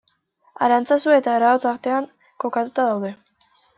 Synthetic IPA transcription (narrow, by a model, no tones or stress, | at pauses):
a̰ɾant͡sasue̞t̪aːɾaot͡saɾt̪e̞aŋ | ko̞kat̪ut̪aðawðe̞